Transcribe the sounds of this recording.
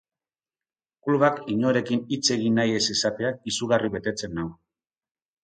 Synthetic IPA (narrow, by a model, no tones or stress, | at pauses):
kuluβakiɲo̞ɾe̞kinit͡se̞ɣ̞inːaje̞sisat̪e̞ak̚isuɣ̞ariβe̞t̪e̞t͡se̞nːaw